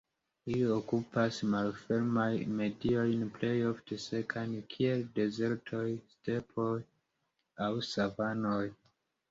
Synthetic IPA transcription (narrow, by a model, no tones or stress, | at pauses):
liokupasmalfe̞ɾmajme̞dio̞jnple̞jo̞ftʰe̞se̞kʰankʰie̞lde̞ze̞ɾtʰo̞jste̞pʰo̞j | awsavano̞j